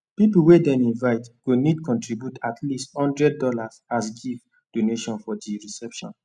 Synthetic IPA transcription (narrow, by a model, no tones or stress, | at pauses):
pipulwedɛ̃nĩnvaɪtɡ̥onidkɔ̃ntɹibjutʰatʰlisthɔ̃ndɹɛd̚ːɔlazasɡiv | d̥oneʃɔ̃nfɔdiɹisɛpʃɔ̰̃n